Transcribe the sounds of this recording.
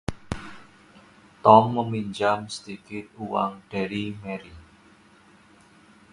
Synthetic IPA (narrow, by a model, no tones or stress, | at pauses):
t̪ɔmːəmiɲd͡ʒamsə̥d̪̥ikɪt̪̚uwa̰ŋɖ̥a̤ɾimeɾi